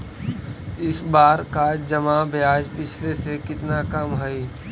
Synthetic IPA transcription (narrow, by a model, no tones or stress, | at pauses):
ɪsbaːɾkad͡ʒɐmabʱjaːd͡ʒpɪt͡ʃʰlesekɪt̪nakɐmɦɐi